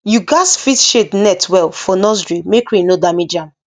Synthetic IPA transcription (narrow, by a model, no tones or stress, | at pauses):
juɡasfitʃednɛtʰwɛlfɔnɔzɹimekɹĩnodamid͡ʒãm